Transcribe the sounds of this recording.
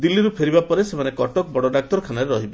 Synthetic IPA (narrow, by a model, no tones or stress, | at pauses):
d̪ilːiɾupʰeɾibapɔɾesemanekɔʈɔkbɔɽɔɖak̚t̪ɔɾɔkʰanaɾeɾɔɦibe